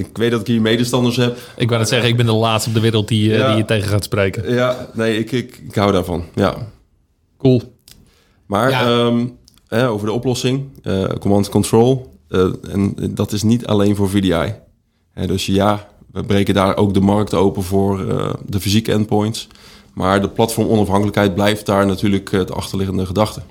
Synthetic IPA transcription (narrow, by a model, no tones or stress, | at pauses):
ɪkʋejt̚dɔtɪkɦiːɹmejdəstɑndəɹsɦɛpʔɪkʋɪlnɛtsɛɣəɪɡ̚bɪndəlaːtstɔp̚dəʋɪɾəl̩ˠt̚didijətejɣəχaːtsprejkəjanejɪkɪkɪkɦawdaːɹvɔ̰nja̰ | kulˠ | maːɹəm | hɛowvəɹdəɔplɔsɪŋə̰komɑntkɔntroːlˠ | ɛ̰ndɔtɪsnitʰa̰lejnvoːɹvidia̰j | hɛ̰døsjaʋəbrejkəndaːɹʔo̰wk̚dəmɑrk̚towpəvʊːɹə̰dəfizikɛ̰npɔjnts | maːɹdəplɑtfɔɹmɔnɑfɦɑŋkələkɦɛjt̚blɛjft̚daːɹnatyːɹləktɑ̰xtəɹlɪɣəndəχədɑxtə